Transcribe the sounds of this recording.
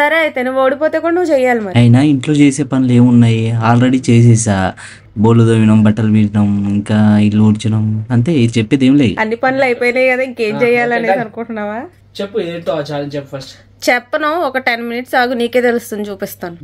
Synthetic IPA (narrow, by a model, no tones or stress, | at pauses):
sɐɾeːt̪eniʋoːɽipoːt̪e̞ːkuɽɐnuʋːt͡ʃɛjːaːlimɐɾɐjinɐiɳʈlo̞ːt͡ʃeːse̞ːpɐnile̞ːmunːaːjiaːlɾeɽiːt͡ʃeːs̬ɛːs̬aː | boːlud̪oːʋinɐmbɐʈːɐlʋiɽinɐmiŋkaːilːuːɾt͡ʃinɐmɐnt̪e̞ːit͡ʃɛpːeːd̪eːmleːd̪uɐnːipɐnilɐjpoːjnɐjkɐd̪aːiŋke̞ːɲt͡ʃɛjaːlɐnedɐnukuɳʈunːaːʋaː | t͡ʃepːuid̪eːɳt̪oat͡ʃaːɾɐnt͡ʃepːupʰɐɾsʈ | t͡ʃɛpːɐnɐɔkɐʈenminiʈsaːɡuniːke̞ːt̪elust̪und̪it͡ʃuːpist̪aːnu